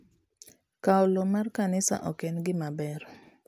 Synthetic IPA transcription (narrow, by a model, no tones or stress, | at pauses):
kaɔlɔmarkanɪsa̰ʔɔkɛnɡɪmabɛɾɔ